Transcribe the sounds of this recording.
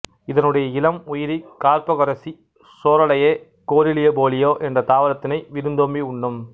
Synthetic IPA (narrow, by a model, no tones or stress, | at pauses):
ɪðɐnɯɽɐjɐɪlɐmʊjɪɾikaːɾpɐɣɐɾɐsi | soːɾɐɭɐjeː | koːɾɪlɪjɐboːlɪjoːʔɛndrɐt̪aːʋɐɾɐt̪ːɪnɐɪʋɪɾɯnd̪oːmbiʊɳːɯm